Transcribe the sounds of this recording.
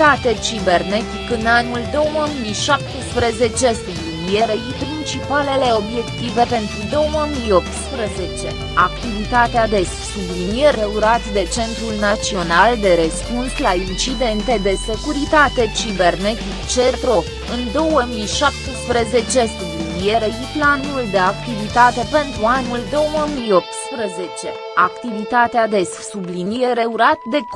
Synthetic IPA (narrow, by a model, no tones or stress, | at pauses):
at̪e̞t͡ʃibe̞rnet̪ikɨnanuld̪o̞wməmijʃap̚t̪espɾeze̞t͡ʃe̞st̪ublinjeɾeipɾint͡ʃipale̞le̞o̞bjekt̪ive̞pe̞nt̪ɾud̪o̞wməmijo̞p̚t̪spɾeze̞t͡ʃe̞ | akt̪ivit̪at̪ead̪e̞s | ublinjeɾeuɾat̪d̪e̞t͡ʃe̞nt̪ɾulnat͡ʃio̞nald̪eɾəspunslaint͡ʃid̪e̞nt̪e̞d̪e̞se̞kuɾit̪at̪e̞t͡ʃibe̞rne̞t̪ikt͡ʃet̪ɾo̞ | ɨnd̪o̞wəmijʃap̚t̪espɾeze̞t͡ʃe̞sublinijeɾeʃiplanuld̪e̞ak̚t̪ivit̪at̪e̞pe̞nt̪ɾuanuld̪o̞wəmijo̞p̚t̪spɾəze̞t͡ʃe̞ | akt̪ivit̪at̪ead̪e̞ssublinijeɾe̞uɾat̪̚d̪e̞